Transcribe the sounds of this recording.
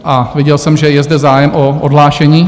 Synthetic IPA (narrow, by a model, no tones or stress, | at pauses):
ʔavjɪɟɛlsɛmʒɛjɛzdɛzaːjɛmʔoʔodɦlaːʃɛɲiː